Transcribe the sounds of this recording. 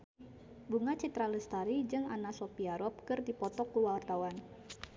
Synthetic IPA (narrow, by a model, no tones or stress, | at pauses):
buŋat͡ʃit̪ɾaləst̪aɾid͡ʒɨŋanasɔpiaɾɔp̚kɨrdipɔt̪ɔkːuwart̪awan